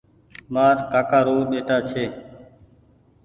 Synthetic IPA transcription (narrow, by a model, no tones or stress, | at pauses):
maːɾkaːkaːɾoːɗeːʈaːt͡ʃʰeː